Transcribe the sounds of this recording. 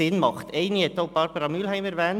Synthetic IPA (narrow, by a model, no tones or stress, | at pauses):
ɪnmɑχt̪ʰeɪniɛt̪ːoʊpɑːɾpɑɾɑmylhæɪməɾʋæːn